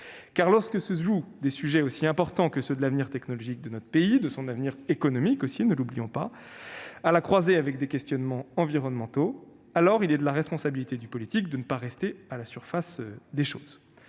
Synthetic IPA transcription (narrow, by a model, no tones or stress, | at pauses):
kaʁlɔʁskəsəʒud̪esyʒɛosiɛ̃pɔʁt̪ɑ̃kəsəd̪əlavniʁt̪ɛknɔlɔʒik̚d̪ənɔt̪χəpeid̪əsɔ̃navniʁekɔnɔmikosinəlublijɔ̃pa | alakχwazeavɛk̚d̪ekʲɛst̪jɔnmɑ̃ɑ̃viʁɔnmɑ̃t̪o | alɔʁilɛd̪əlaʁɛspɔ̃sabilit̪ed̪ypɔlit̪ik̚d̪ənəpaʁɛst̪ealasyʁfasød̪eʃo̰ːz